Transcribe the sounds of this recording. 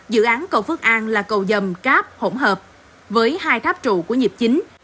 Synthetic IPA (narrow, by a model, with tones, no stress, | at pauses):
zɨ̰˧˨ʔaː˨˦nkə˧˩wfɨ˦˥k̚ʔaː˧nlaː˨˩kə˨˩wzə˨˩mkaː˦˥p̚ho̰˧˩ŋ͡mɦəː˨˩p̚ | vəː˨˦jhaː˧jt̪ʰaː˦˥p̚t͡ɕṵ˧˨ku˧˩əɲi˨˩p̚t͡ɕï˨˦ŋ̟